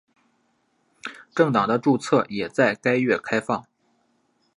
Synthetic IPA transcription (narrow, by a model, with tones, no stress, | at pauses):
ʈ͡ʂɤ˥˩ŋt̪ɑ˨˩ŋd̪ə˦ʈ͡ʂu˥˧t͡sʰɤ˥˩jɛ˨˩t͡sa˥˩ɪka˥ɪɥɛ˥˩kʰa˥ɪfɑ˥˩ŋ